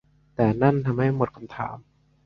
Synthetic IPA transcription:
t̪ɛː˨˩na˥˩nt̪ʰa˧mha˥˩jmo˨˩t̪̚kʰa˧mt̪ʰa̰ː˩˦m

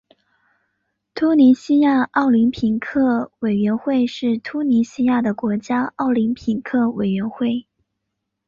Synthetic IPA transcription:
t̪ʰu˥ni˧˥ɕi˥ja˥˧ɑ˥˩ʊli˧˥npʰi˧˥ŋkʰɤ˥˩we˨˩ɪɥɛ˧˥nxwe˥˧ɪʂɻ̩˥˩t̪ʰu˥ni˧˥ɕi˥ja˥˩d̪ə˩kwɔ˧˥t͡ɕja˥ɑ˥˩ʊli˧˥npʰi˨˧˩ŋkʰɤ˥˩we˨˩ɪɥɛ˧˥nxwe˥˩ɪ

